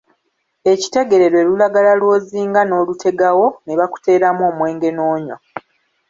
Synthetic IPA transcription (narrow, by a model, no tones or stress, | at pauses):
e̞ci̥te̞ɡe̞ɾe̞ɾwe̞ːlulaɡalalwo̞ːziːŋɡano̞ːlutʰe̞ɡawo̞neβaku̥te̞ːɾamo̞ːmwe̞ːŋɡe̞noːɲwa